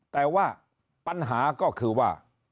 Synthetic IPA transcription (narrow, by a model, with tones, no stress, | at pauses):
t̪ɛː˨˩waː˥˩ | pa˧nɦaː˩˦kɔː˥˩kʰɯː˧waː˥˩